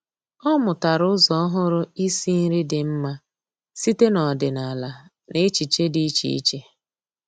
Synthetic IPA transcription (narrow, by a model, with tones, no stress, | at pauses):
ɔ˦mʊ˨ta˨ɾʊ˦zɔ˦ɦʊ˦ɾʊ˦i˦si˦n̩˦ɾi˦dɪ˨m̩˦ma˦ | si˦te˦nɔ˨dɪ˨na˨la˨ | ne˦t͡ʃi˨t͡ʃe˦di˦t͡ʃḭ˨ḭ˦t͡ʃe˦